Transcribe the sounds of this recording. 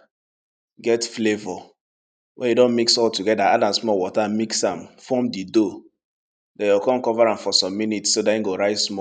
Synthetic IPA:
ɡɛtflevɔ | wʔɛ̃njudõnmiksɔltuɡɛdaadãnsmɔwɔtamiksãmfɔmdido | dɛ̃jɔkɔ̃nkɔvaɹãmfɔsɔ̃mːinitsːodaĩɡoɹaɪsmɔ

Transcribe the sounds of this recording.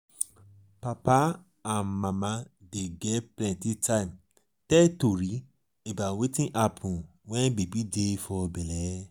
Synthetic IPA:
papa | anmãmãdeɡɛplɛ̃ntitaim | tɛtoɾi | ebawetĩʔapʰũ | wɛ̃bebidefɔbɛlɛ

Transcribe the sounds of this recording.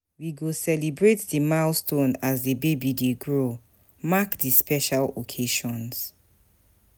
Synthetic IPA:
wiɡosɛlibɹetdimalstʰõnazdebebideɡɹo | makdispɛʃalokʰeʃɔ̃ns

